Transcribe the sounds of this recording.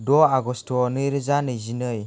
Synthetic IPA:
doaɡostoniɾizanəzinəj

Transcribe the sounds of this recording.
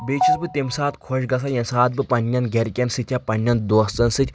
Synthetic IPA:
bet͡ʃʰisbɨt̪imsaːt̪kʰɔʃɡɐsʰajɐnsaːt̪̚bɨpɐnʲːɐnɡʲɐɾkʲɐnsɨt̪ʲʰapɐnʲːɐnd̪oɐst͡sɐnsɨtʲ

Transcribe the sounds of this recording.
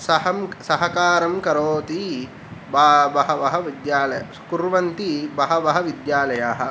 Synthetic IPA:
sɐhɐmsɐɦɐkaːɾɐmkɐɾoːt̪i | babɐɦɐʋɐɦɐʋid̪jaːlɐjɐ | kuɾʋɐnt̪ibɐɦɐʋɐɦɐʋid̪jaːlɐjaːɦɐ̆

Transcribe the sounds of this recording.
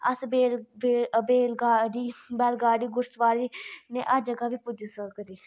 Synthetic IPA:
əsbeː | beːlɡaːɖiːbɛːlɡaːɽiːɡʊɾsʋaːɾiːnḛːʔəd͡ʒəɡaːʋiːpʊd͡ʒəsəkəɾiː

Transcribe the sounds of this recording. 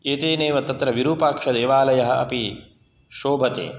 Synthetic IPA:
eːt̪eːneːʋɐt̪ɐt̪ɾɐʋiɾuːpaːkʂɐd̪eːʋaːlɐjɐɦɐ̆ʔɐ̰pi | ʃoːbʱɐt̪ḛː

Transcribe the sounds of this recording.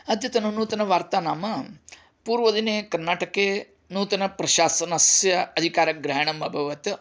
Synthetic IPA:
ɐd̪ʱjɐt̪ɐnunuːt̪ɐnɐʋaːɾt̪aːnaːmɐ | puːɾʋɐd̪ineːkɐɾnaːʈɐkeː | nuːt̪ɐnɐpɾɐʃaːsɐnɐsjɐɐd̪ʱikaːɾɐɡɾɐɦɐɳɐmɐbʱɐʋɐt̪

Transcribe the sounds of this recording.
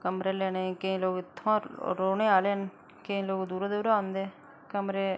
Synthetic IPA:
kəmɾeːlɛːneːkɪ̃ːloːkɪt̪ʰːõɾoːɽeːaːleːən | kɪĩːloːkd̪uːɾd̪eʊɾaːnd̪eː | kəmɾeː

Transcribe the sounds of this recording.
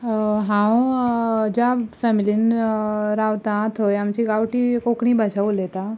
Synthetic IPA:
ɦã | d͡ʑafɛmilin | ɾawt̪ãt̪ʰojamt͡ɕiɡawʈikokɽ̃ĩbʱaɕaulet̪a

